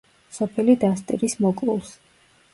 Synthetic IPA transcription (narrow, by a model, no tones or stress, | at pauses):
sɔpʰɛlid̪ast̪ʼḭɾismɔkʼlˠulˠs